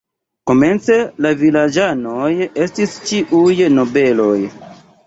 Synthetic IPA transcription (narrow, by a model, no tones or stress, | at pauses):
ko̞me̞nt͡se̞lavilad͡ʒano̞je̞stist͡ʃiʔujno̞be̞lo̞j